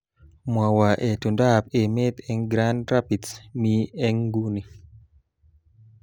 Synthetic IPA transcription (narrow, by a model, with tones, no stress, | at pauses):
mwa˨wa˨ʔe˨tu˨nda˦p̚e˨me˦t̪ɛ˦ŋɡɾa˦nɾa˦pi˨tsmiɛ˦ŋɡu˦ni˨